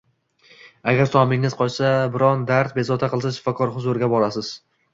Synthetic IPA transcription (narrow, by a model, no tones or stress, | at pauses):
aɡʲaɾsɒmɪŋɪzqʰɒt͡ʃsabɪɾɒnd̪aɾt̪bezɒt̪ʰaqɨlˠsaʃɪ̥fɒkʰɒɾhʊzʊɾɪɡʲabɒɾasɪz̥